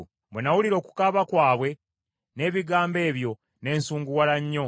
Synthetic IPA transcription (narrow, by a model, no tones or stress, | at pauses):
bwenawuliɾo̞ːku̥kaβakwaːβwe̞ | ne̞ːβiɡaːmbe̞ːβjo̞ | ne̞ːnsuːŋɡuwalaɲːo̞